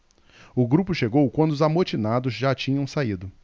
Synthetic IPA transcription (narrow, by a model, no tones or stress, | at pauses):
ʊɡɾupʊʃeɡowkwɐ̃nd̪ʊzamot͡ʃinad̪ʊzʒat͡ʃĩɲɐ̃w̃said̪ʊ